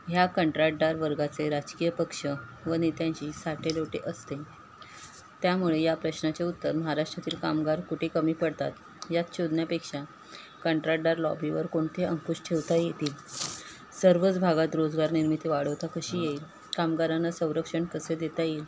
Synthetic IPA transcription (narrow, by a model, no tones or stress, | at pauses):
ɦjakəɳʈɾaʈɖaɾʋəɾɡat͡seɾad͡ʑkijəpəkʂəʋəñit̪jãɲt͡ɕiːsaʈʰeloʈeʔəst̪e | t̪jamuɭejapɾəɕnat͡ɕaut̪ːəɾməɦaɾaʂʈɾat̪iːlkamɡaɾkuʈʰekəmiːpəɽt̪a̰t̪ | jat̪ɕʰod̪njapekʂa | kəɳʈɾaʈɖaɾlɔ̰biʋəɾkoɳt̪ʰeəŋkuɕʈʰeʋt̪ajet̪iːl | səɾʋət͡sbʱaɡat̪ɾod͡zɡaɾniɾmit̪iʋaɽəʋt̪akəɕiːjeil | kamɡaɾanːasə̃w̃ɾəkʂəɳkəsed̪et̪ajel